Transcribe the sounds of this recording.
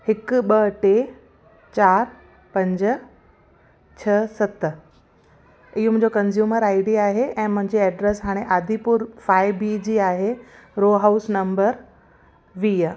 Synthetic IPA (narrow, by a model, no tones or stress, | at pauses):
hɪkɓəʈe | t͡ɕaːɾ | pɐ̃ɲd͡ʑ | t͡ɕʰɐsɐt̪ | ɪɦomʊ̃ɦd͡ʑokɐnzjuːməɾaːɪɖiaːɦeʔɛ̃ːmʊ̃ɦɪ̃ɲd͡ʑiɛːɖɾɛsɦaːɽ̃eʔaːd̪ʱipʊɾfaːɪbiːd͡ʑiːaːɦeɾoːɦaːʊsnɐ̃mbəɾ | ʋiː